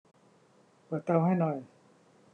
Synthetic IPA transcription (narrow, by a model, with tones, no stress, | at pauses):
pa˨˩t̪a˧wha˥˩jnɔː˨˩j